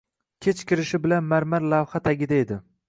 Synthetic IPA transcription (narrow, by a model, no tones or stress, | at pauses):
kʲʰet͡ʃkʲɪɾɪʃɪbɪlanmaɾmaɾlavhat̪ʰaɡʲɪd̪aed̪ɪ